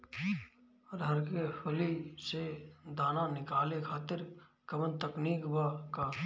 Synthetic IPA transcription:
ɾɦəɾkepʰɐlised̪aːnanɪkaːlekʰaːt̪ɪɾ | kɐbənt̪əkniːkbakaː

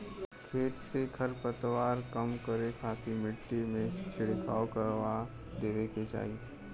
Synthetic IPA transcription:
kʰeːt̪sekʰəɾpət̪ʋaːɾkəmkəɾekʰaːt̪ʰimɪʈːimẽt͡ʃʰɪɽkʰaːkəɾʋa | d̪eːʋeket͡ʃa̰ːi

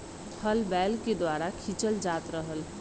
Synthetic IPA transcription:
t̪ʰəlbɛːlked̪waːɾakʰit͡ʃəld͡ʒaːt̪ɾəɦəl

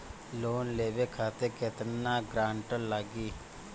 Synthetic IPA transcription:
loːnleːʋeːkʰaːt̪ekɪt̪naːɡɾaːɳʈəllaːɡiː

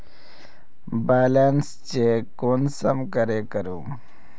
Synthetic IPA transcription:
beːlens | t͡ɕekoːnsəmkəɾekəɾũː

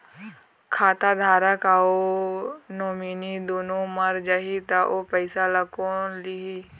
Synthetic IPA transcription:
kʰaːt̪ad̪ʱaːɾakao | noːminid̪oːnõmɐɾd͡ʒaɦit̪aʔopəɪsalɐkõliɦi

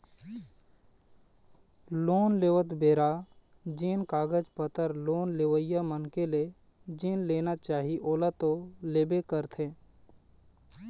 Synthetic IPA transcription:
loːnleːʋət̪beːɾa | d͡ʒeːnkaːɡəd͡ʒpət̪əɾloːnleʋəjamənkele | d͡ʒenleːnat͡ʃaːɦiʔoːlat̪oleːbekəɾt̪ʰẽː

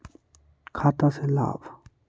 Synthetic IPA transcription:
kʰaːt̪asela̰ːb

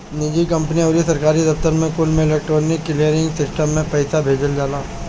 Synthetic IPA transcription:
nɪd͡ʒikɐ̃mpəniɔːɾisɐɾkaːɾid̪ɐft̪əɾmẽkulmẽɪleːk̚ʈɾoːɾnɪkːɪlijəɾɪ̃ŋɡsɪsʈəmːẽpɛːsabʱeːd͡ʒəld͡ʒaːlaː

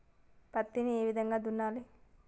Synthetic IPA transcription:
pɐt̪ːinieːʋid̪ɐŋɡaːd̪unːaːli

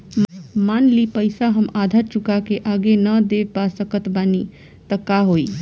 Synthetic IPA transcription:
manlipəɪsaɦəmad̪ʱəɾt͡ʃukakeʔaɡenəd̪epasəkət̪bani | t̪əkaɦoi

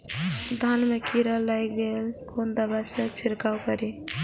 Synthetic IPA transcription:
d̪ʱanmekiɾəlajɡelkʰond̪əbasə̃t͡ʃʰiɾkawkəɾi

